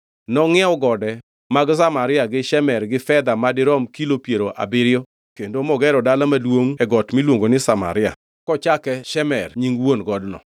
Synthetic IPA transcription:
nɔŋɛɔɡɔdɛ | maɡsamaɾɪaɡɪʃɛmɛrɡɪfɛd̪amadɪɾɔmkilopjeɾoʔa̰bɪɾɪjo | kendomɔɡɛɾɔdalamadwoŋɛɡɔtmilwoŋɡonɪsama̰ɾɪa̰ | kɔt͡ʃakɛʃɛmɛrɲiŋwonɡɔdnɔ̰

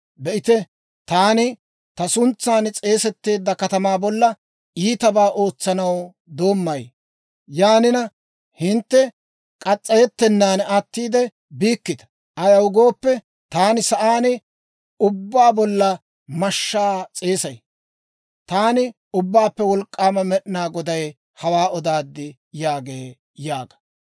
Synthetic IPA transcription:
bɛʔɪt̪ɛ | t̪aːnɪ | t̪ɐsʊnt͡sːaːnt͡sʼe̞ːsɛt̪ːe̞ːd̪ːɐkɐt̪ɐmaːbɔlːɐ | iːt̪ɐbaːʔo̞ːt͡sːɐnɐw | d̪o̞ːmːɐj | jaːnɪnɐ | hɪnt̪ːɛ | kʼɐt͡sʼːɐjɛt̪ːɛnːaːnat̪ːiːd̪ɛ | biːkːɪd̪ɐ̥ | ɐjɐwʊɡo̞ːpːɛ | t̪aːnɪsɐʔaːnɪ | ʊbːaːbɔlːɐ | mɐʃːaːt͡sʼe̞ːsɐj | t̪aːnɪ | ʊbːaːpːɛwɔlkʼːaːmɐmɛɗnaːɡɔd̪ɐj | hɐwaːɔd̪aːd̪ːɪ | jaːɡeː | jaːɡɐ̥

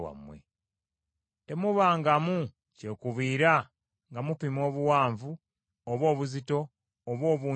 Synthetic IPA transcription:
wa̰mwḛ | te̞muβaːŋɡamu | ce̞kuβiːɾa | ŋɡamupimo̞ːβuwaːɱvu | oβo̞ːβuzito̞ | oβwo̞ːβu

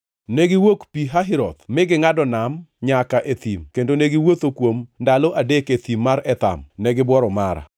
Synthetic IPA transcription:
neɡɪwokpiɦaɦɪɾɔt̪mɪɡɪŋadɔnamɲakaʔet̪imkendoneɡɪwot̪okwomndalɔʔadeket̪imːaɾɛt̪a̰mnɛɡɪbwɔɾɔmaɾa̰

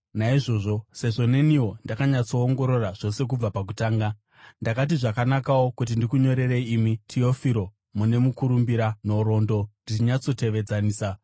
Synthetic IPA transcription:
naiʐo̞ːʐo̞se̞ʐo̞ne̞niwo̞ndakaɲat͡so̞ːŋɡo̞ɾo̞raʐ̥o̞se̞k̬ub͡vapak̬utaːŋɡa | ndakat̬iʐakanakawo̞kut̬indikuɲo̞ɾe̞ɾe̞iːmitʰio̞fiɾo̞ | mune̞mukuɾumbiɾano̞ɾo̞ndo̞ndit͡ʃiɲat͡so̞te̞ʋe̞d͡zaniːsa

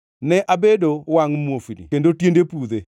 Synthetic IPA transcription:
nɛʔabedowaŋmofinḭkendotjendepud̪e

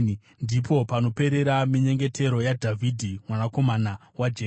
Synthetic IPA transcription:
ndipo̞pano̞pe̞ɾe̞ɾamiɲe̞ŋɡe̞tʰe̞ɾo̞jadʱavʱidʱimwanako̞mana | wad͡ʒeː

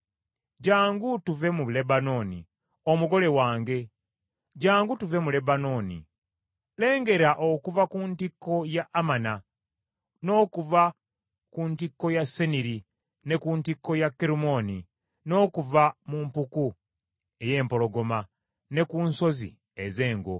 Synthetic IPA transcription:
ɟaːŋɡutuve̞muβle̞bano̞ːnḭ | omuɡo̞le̞waːŋɡe̞ | ɟaːŋɡutuve̞mule̞bano̞ːnḭ | le̞ːŋɡe̞ɾaʔokuvakuntikːo̞jaʔːmana | no̞ːkuva | kuntikːo̞jasːeniɾi | ne̞kuntikːo̞jakːeɾumo̞ni | no̞ːkuvamumpuku | e̞je̞ːmpo̞lo̞ɡo̞ma | ne̞kuːnso̞zḭ | eze̞ːŋɡo̞̰

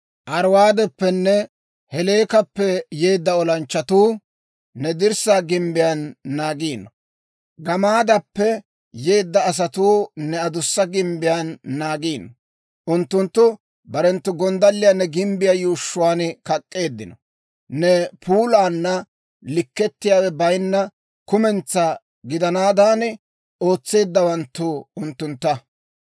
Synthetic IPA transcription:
ʔɐɾwaːd̪ɛpːɛnːɛ | hɛle̞ːkɐpːɛjeːd̪ːɐɔlɐnt͡ʃːɐt̪uː | nɛd̪ɪɾsaːɡɪmbɪjanːaːɡiːnːɔ | ɡɐmaːd̪ɐpːɛ | je̞ːd̪ːɐːs̬ɐt̪uːnɛɐd̪ʊsːɐɡɪmbɪjanːaːɡiːnːɔ | ʔʊnt̪ːʊnt̪ːʊ | bɐɾɛnt̪ːʊɡɔnd̪ɐlːɪjanːɛɡɪmbɪjajuːʃːʊwaːnkɐkʼːe̞ːd̪ːɪnɔ | nɛpʰuːlaːnːɐ | lɪkːɛt̪ːɪjaːwɛbɐjnːɐ | kʊmɛnt͡sːa | ɡɪd̪ɐnaːd̪aːn | o̞ːt͡sːe̞ːd̪ːɐwɐnt̪ːʊʊnt̪ːʊnt̪ːɐ

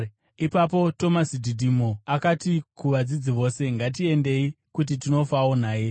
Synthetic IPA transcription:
ipapo̞to̞masidʱidʱimoakatikuʋad͡zid͡ziʋo̞se̞ŋɡat̬ie̞nde̞i | kut̬itino̞faonaːje̞

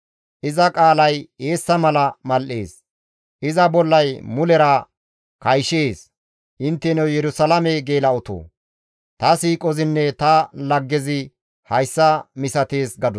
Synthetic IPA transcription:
ʔɪzɐkʼaːlɐje̞ːsːɐmɐlɐmɐlʔe̞̰ːs | ʔɪzɐbɔlːɐjmʊlɛɾɐ | kɐjʃeːs | ʔɪnt̪ːɛnɛwjɛɾʊsɐlɐmɛɡeːlɐʊt̪o̰ː | t̪ɐsiːkʼɔzɪnːɛt̪ɐlɐɡːɛzɪ | hɐjsːɐmɪsɐt̪e̞ːsɡɐd̪

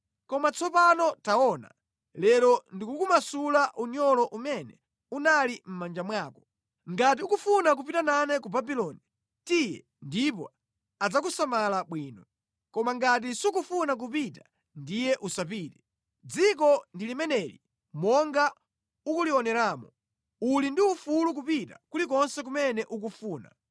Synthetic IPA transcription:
kɔmat͡sʰɔpanɔtaɔːna̰ | lɛlɔndikukumasulaʔuɲɔlɔʔumɛnɛ | unalim̩mand͡ʒamwaːkɔ̥ | ŋɡat̬iukufunak̬up̬itananɛkubabilɔːni | tijɛ | ndip̬ɔ̰ | ad͡zakusamalaɓwiːnɔ | kɔmaŋɡat̬isuk̬ufunak̬up̬ita | ndijɛʔusap̬iːtɛ̥ | d͡zik̬ɔndilimɛnɛlḭ | mɔŋɡa | ukuliɔnɛɾaːmɔ | ulindiufuluk̬upitakulikɔnsɛk̬umɛnɛʔuk̬ufuːna̰

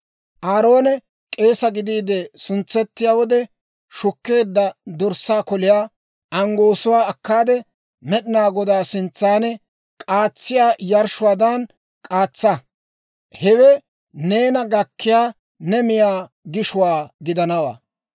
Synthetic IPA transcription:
ʔaːɾo̞ːnɛ | kʼe̞ːsɐɡɪd̪iːd̪ɛsʊnt͡sːɛt̪ːɪjaːwɔd̪ɛ | ʃʊkːe̞ːd̪ːɐd̪ɔɾsaːkɔlɪjaː | ʔɐŋɡo̞ːsʊwaːɐkːaːd̪ɛ | mɛɗɪnaːɡɔd̪aːsɪnt͡sːaːnɛ | kʼaːt͡sːɪjaːjɐɾʃʊwaːd̪ɐn | kʼaːt͡sːɐ | hɛwɛ | ne̞ːnɐɡɐkːɪjaː | nɛmɪjaː | ɡɪʃʊwaːɡɪd̪ɐnɐwa̰ː

